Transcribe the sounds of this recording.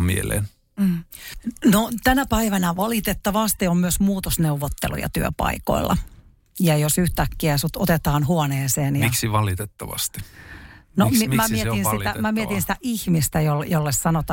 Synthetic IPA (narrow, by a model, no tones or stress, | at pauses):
mḭḛlḛːn | not̪ænæpæiʋænæʋɑlit̪et̪ːɑʋɑst̪iommyøsmuːt̪osneuʋot̪ːḛlṵjɑ̰t̪yø̰pɑ̰iko̰ilːʔɑ̰ | jɑjosyht̪ækːiæsut̪o̰t̪et̪ɑːnhuoneːseːnjɑiksiʋɑlit̪et̪ːɑʋɑ̰st̪i̥ | nomimmæmiseinssit̪æmæmiet̪insi̥t̪æʔihmist̪æjoljolːessɑnot̪ɑ